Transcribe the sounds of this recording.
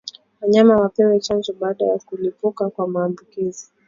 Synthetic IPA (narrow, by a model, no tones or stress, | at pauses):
waɲamawapɛwɛt͡ʃand͡ʒɔɓaːɗajakulipukakwamaːmbukizi